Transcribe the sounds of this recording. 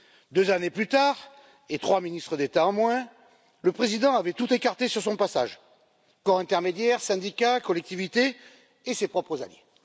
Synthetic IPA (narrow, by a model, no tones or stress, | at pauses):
d̪øzaneplyt̪aʁ | et̪χwaminist̪χəd̪et̪aɑ̃mwɛ̃ | ləpχezid̪ɑ̃avɛt̪ut̪ekaʁt̪esyʁsɔ̃pasa̰ʒ | kɔʁɛ̃t̪ɛʁmed̪jɛʁsɛ̃d̪ikakɔlɛk̚t̪ivit̪e | esepχɔpχəza̰ljḛ